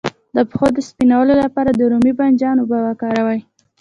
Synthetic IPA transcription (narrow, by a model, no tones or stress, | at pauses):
d̪əpə̥xod̪əspinawəlolapɑɾad̪əɾumiband͡ʒɑnobawakɑɾawaj